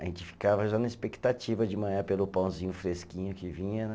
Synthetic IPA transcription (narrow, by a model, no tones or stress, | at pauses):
ʒẽt͡ʃɪ̥fi̥kavɐʒanɐɪspekt̪at͡ʃivɐd͡ʒɪmɐ̃ɲaɾpelʊpɐ̃w̃zĩɲʊfɾeskĩɲʊkɪvĩɲɐ